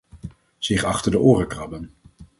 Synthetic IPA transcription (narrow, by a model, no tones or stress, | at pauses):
z̥ɪχɑχtəɹdəʔʊːrəkrɑbən